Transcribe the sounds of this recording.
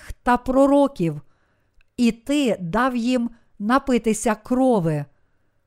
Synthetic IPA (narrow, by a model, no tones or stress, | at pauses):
xt̪ɐpɾɔɾɔkʲiw | it̪ɪd̪ɑwjim | nɐpɪt̪ɪsʲɐkɾɔʋɪ